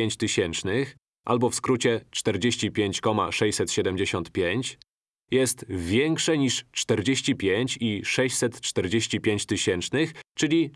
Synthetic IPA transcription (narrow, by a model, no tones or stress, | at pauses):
eɲt͡ɕt̪ɘɕɛnt͡ʂnɘx | ʔa̰lbɔfskɾut͡ɕɛt͡ʂt̪ɛɾd͡ʑeɕt͡ɕipʲjeɲt͡ɕkɔma̰ʂɛjsɛt̪ɕɛd̪ɛmd͡ʑeɕɔnt̪pʲjeɲt͡ɕ | jɛst̪vʲjɛŋkʂɛɲiʂt͡ʂt̪ɛɾd͡ʑeɕt͡ɕipʲjeɲt͡ɕiʂɛɕt͡ɕʲsɛt̪t͡ʂt̪ɛɾd͡ʑeɕt͡ɕipʲjeɲt͡ɕt̪ɘɕɛnt͡ʂnɘxt͡ʂɘlʲi